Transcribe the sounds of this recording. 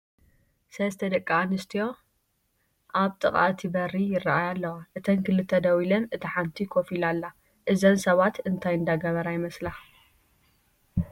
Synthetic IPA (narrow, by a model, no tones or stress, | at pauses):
sɐzt̪ʰɐd̪ɐkʼːaanɨst̪ʰijo̞ | ʔaβt̪ʼɨ̰χʼa̰ʔt̪ʰibɐrijɪrːaʔajalːɐwaʔɨt̪ʰɐnkʰɨlɨt̪ʰːɐd̪ɐwilɐnɨt̪ʰiħant̪ʰikʰofilalːa | ʔɨzɐnsɐβat̪ɨnt̪ʰajɨnd̪aɡɐβɐɾajɪmɐsla